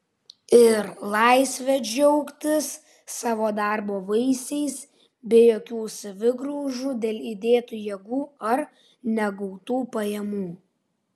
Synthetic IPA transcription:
ɪɾlˠɑˑɪsʲʋʲɛd͡ʒʲɛʊkt̪ʲɪsː | ɑːʋoːd̪ɑˑɾboːʋɐɪsʲɛɪs | bʲeːjoːkʲuːsɐʋʲɪɡɾuːʒuːd̪ʲeːlʲˠid̪ʲeːt̪ujɛɡuːɐɾ | nʲɛɡɐʊt̪uːpɐjɛmuː

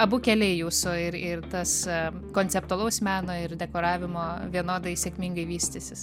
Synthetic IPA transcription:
ɐbʊkʲɛlʲɛɪjuːsʊɪɾɪrt̪ɐs | koːnʲt͡sʲɛp̚t̪ʊɔɐlˠɐʊsmʲæːnoːɪɾd̪ʲɛkoːɾɑːʋʲɪmoːʋʲiɛnoːd̪ɐɪsʲeɛkʲmʲiŋɡɐɪʋʲiːsʲt̪ʲɪsʲɪs

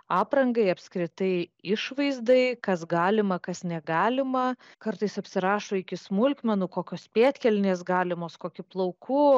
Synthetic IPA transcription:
ɑːpɾɐŋɡɐɪɐpʲskɾʲɪt̪ɐɪɪʃʋɐɪzd̪ɐɪkɐsɡɑːlʲɪmɐkɐsnʲɛɡɑːlʲɪmɐ | kɐɾt̪ɐɪsɐpʲsʲɪɾɑːʃoːɪkʲɪsmʊlʲkmʲɛnukoːkʲoːspʲeːt̪ʲkʲɛlʲnʲeːs̬ɡɑːlʲɪmoːskoːkʲɪplˠɐʊkʰu

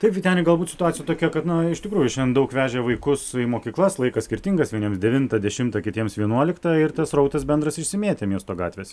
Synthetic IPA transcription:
t̪ɐɪpɡʲɪtʲɛːnɪɡɐlˠbuːt̪sʲɪt̪ʊɑːtt͡sʲjɛt̪oːkʲɛkɐt̪nʊɪʃt̪ʲɪkɾuːjʊʃʲɛnd̪ɐʊkʋʲæːʒʲɛʋɐɪkʊsimoːkʲiːklˠɐslˠɐɪkɐsʲkʲɪɾʲt̪ʲɪŋɡɐsʋʲiɛnʲiɛmsdʲɛʋʲɪnt̪ɐd̪ʲɛʃʲɪmt̪ɐkʲɪtʲiɛmsʋʲiɛnuɔlʲɪkt̪ɑɪrt̪ɐsrɐʊt̪ɐsbʲɛnd̪ɾɐsɪʃʲsʲɪmʲeːt̪ʲɛmʲiɛst̪oːɡɑ̰ːt̪ʲʋʲeːsʲ

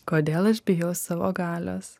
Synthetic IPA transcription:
koːd̪ʲeːlˠɐʃbʲɪjɛʊssɑʋo̰ːɡɑːlʲo̰ːs

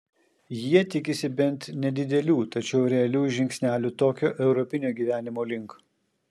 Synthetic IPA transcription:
jiɛt̪ʲɪkʲɪsʲɪbʲɛnt̪nʲɛd̪ʲɪd̪ʲɛlʲuːt̪ɐt͡ʃʲɛʊɾʲɛɐlʲuːʒʲɪŋʲksʲnʲæːlʲut̪oːkʲoːʔɛʊɾɔpʲɪnʲoːɡʲiːʋʲæːnʲɪmoːlʲɪŋk

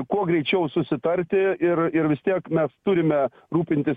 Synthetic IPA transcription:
kuɔɡɾʲɛɪt͡ʃʲɛʊsʊsʲɪt̪ɐɾʲt̪ʲɪɪrɪɾʋʲɪst̪ʲiɛkmʲɛst̪ʊɾʲɪmʲɛ | ɾuːpʲɪnʲt̪ʲɪs

